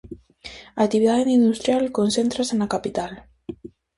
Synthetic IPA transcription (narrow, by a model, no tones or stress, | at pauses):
akt̪iβiðaðenind̪ust̪ɾjalkonsent̪ɾasanakapit̪al